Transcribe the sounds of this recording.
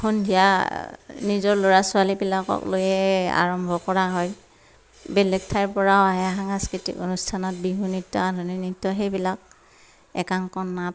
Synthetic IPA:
kʰundija̰ | nizɔɹloɹasʊalibilakɔ̰klojɛa̰ɹɔmbʱɔkɔɹaɦɔj | bɛlɛɡ̚tʰajɹpɔɹaoaɦɛaɦaŋaskɹitḭko̰nustʰanɔt̚biɦunitːɔadʱɔninitːɔɦejbilak̚ | ɛ̰kaŋkɔnːat

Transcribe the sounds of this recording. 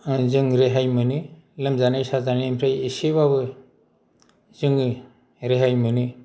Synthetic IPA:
zɯŋɾeɦajmɯnɯ | lɯmzanajsazanimpʰɾajisiβabɯ | zɯŋɯ | ɾeɦajmɯnɯ

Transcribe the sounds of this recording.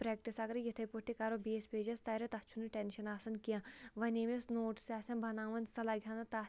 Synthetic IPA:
pɾɛːk̚ʈisɐɡɾijit̪ʰɐjpuʈːikaɾobeːspeːd͡ʒɐst̪ɐjɾɐt̪ɐt͡ʃʰunɨʈenʃɐnaːsɐnkijãʋɐnʲemesnoːʈsʲaːsʲɐnbʱɐnaːʋɐnsɐlaːɡʲʱjaːnɐt̪a

